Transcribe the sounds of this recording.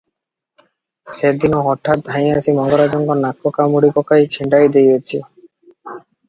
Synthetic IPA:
sed̪inoɦɔʈʰːat̪̚d̪ʱaĩasimɔŋɡoɾad͡ʑɔŋɡonakːokamuɽikɔkajt͡ɕʰiɳɖajd̪ejet͡ɕʰi

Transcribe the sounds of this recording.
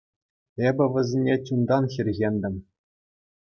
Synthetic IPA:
ebʲɘ̆ʋʲɘ̆zʲenʲet͡ɕund̪ɑnxʲirʲɣʲenʲd̪ʲɘ̆m

